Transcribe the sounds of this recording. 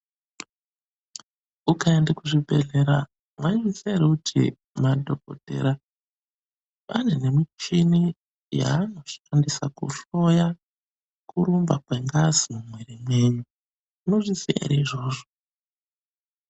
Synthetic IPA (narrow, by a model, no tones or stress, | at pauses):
ukaendekuʐibʱe̞̰ɮe̞ɾa | mwaimiseɾeutʰḭ | madʱoko̰te̞̰ɾa | panene̞mit͡ʃini | ja̰ːno̞ʂi̥fandisakṵɬoja | kuɾumbakweŋɡazimumweɾimwe̞ːɲu | uno̞ʐisiḛɾeiʐo̞ːʐo